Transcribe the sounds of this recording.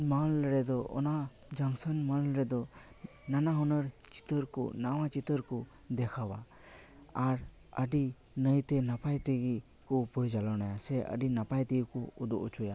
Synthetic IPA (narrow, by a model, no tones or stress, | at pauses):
malɾɛd̪ɔʔɔ̰nad͡ʒaŋsənmalɾɛd̪ɔ | nanaɦɔnəɾt͡ʃi̥t̪əɾkɔ̰nawat͡ʃit̪əɾkɔ | d̪ɛkʰawa̰ | aɾ | əɖi | nəjt̪ɛnapajt̪ɛɡi | kɔpɔɽd͡ʒalɔnajasɛʔə̰ɖinapajt̪ɛkɔud̪ɔʔut͡ʃʰuja